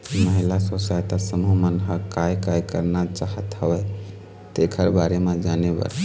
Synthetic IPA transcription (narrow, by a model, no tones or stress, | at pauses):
məɦilasosajt̪asəmumənɦəkajkajkəɾnat͡ʃaɦət̪ɦəʋɛ | t̪ekʰəɾbaɾemẽd͡ʒanebə̰ɾ